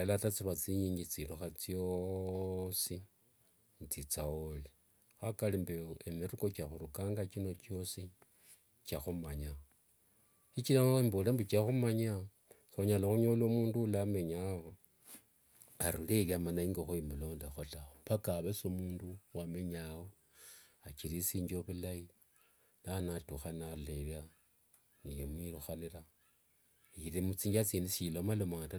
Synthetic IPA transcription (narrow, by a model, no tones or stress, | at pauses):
alatat͡siβat͡sijiːɲit͡siloxat͡sjo | si | t͡sit͡saoli | xakalimbeemiɾukot͡ʃaxuɾukaːŋɡat͡ʃino̞t͡ʃo̞si | t͡ʃaxumaɲa | t͡ʃit͡ʃilaimbolembut͡ʃaxumaɲa | soɲalaxuɲolomuːndulame̞ɲawo | aɾuleljamanaiŋɡaxuimulo̞ːndexotaopakaβesomuːnduwame̞ɲawo | at͡ʃiɾisiːɲd͡ʒoβulaji | nanatuxanalelja | nijemwiɾuxanila | iiɾimut͡siːɲd͡ʒat͡sinisilomalomata